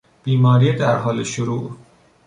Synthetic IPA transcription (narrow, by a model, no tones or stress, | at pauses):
b̥iːmɒːɾiːed̪æɾɦɒːleʃʊɾuːʔ